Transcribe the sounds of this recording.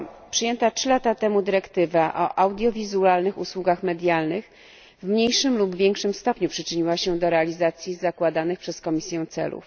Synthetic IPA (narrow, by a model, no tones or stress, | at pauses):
pʂɘjɛnt̪atʂɘlat̪at̪ɛmud̪ɘɾɛkt̪ɘvaʔɔ̰ʔawd̪ʲjɔvʲizualnɘxuswuɡaxmɛd̪ʲjalnɘx | vmɲejʂɘmlubvʲjɛŋkʂɘmst̪ɔpɲupʂɘt͡ʂɘɲiwaɕɛd̪ɔɾɛalʲizat̪sʲjizakwad̪anɘxpʂɛskɔmʲisʲjɛ̃w̃t̪sɛ̰lṵf